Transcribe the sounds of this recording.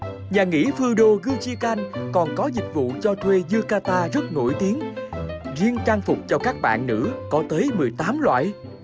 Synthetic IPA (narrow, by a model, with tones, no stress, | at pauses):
ɲaː˨˩ŋḭ˧˥fɨ˧ɗo˧ɣɨ˧t͡ɕi˧ka˧nkɔ˨˩nkɔ˨˦zï˨˩k̟̚vṵ˧˨t͡ɕɔ˧t̪ʰwe˧zɨ˧əkaː˧t̪aː˧zə˦˥t̚ŋo̰˧˥˩jt̪i˨˦əŋ | zi˧əŋt͡ɕaː˧ŋfʊ˨˩k͡p̚t͡ɕɔ˧kaː˦˥k̚ɓa̰ː˧˨nːɨ̰˧˥kɔ˨˦t̪əː˨˦jmɨ˨˩əjt̪aː˨˦mlwa̰ː˧˨j